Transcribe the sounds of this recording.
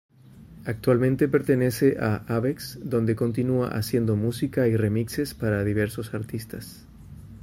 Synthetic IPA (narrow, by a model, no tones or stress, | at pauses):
ak̚t̪walmẽnt̪e̞pe̞ɾt̪ene̞se̞ʔaʔaβeksd̪o̞nd̪e̞ko̞nt̪inua̰ʔasje̞nd̪o̞musikairemikse̞spaɾaðiβ̞e̞ɾso̞saɾt̪ist̪as